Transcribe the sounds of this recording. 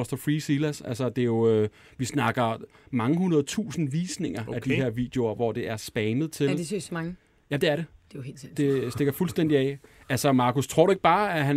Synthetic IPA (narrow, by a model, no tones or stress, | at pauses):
ɒsd̥ɒfʁiːsilæsælsɐd̥e̝jo̝ø | ʋisnɑ̈ɡ̥ɐ | mɑ̈ŋəhunɐð̩ˠt͡sʰṵːsn̩ʋiːsne̝ŋ̰ɐæd̥iɦe̝ɐ̰ʋḭːd̥ejo̝ɐʋɒd̥e̝ʔæɐsb̥ɛːnəð̩ˠt͡sʰe̝ldessɑŋ | jæd̥eæɐɾ̥e̝d̥ejheld̥e̝sd̥eɡ̥ɐfulsd̥en̰d̥iɛ̰ː | ælsɒmɑ̈ːkʰost͡sʰʁo̝ɐ̰ɾue̝ɡ̥̚b̥ɑ̈ːæɦæn